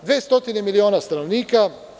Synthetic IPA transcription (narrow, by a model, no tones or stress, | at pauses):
d̪ʋest̪o̞t̪inemilioːnast̪ano̞ʋniːka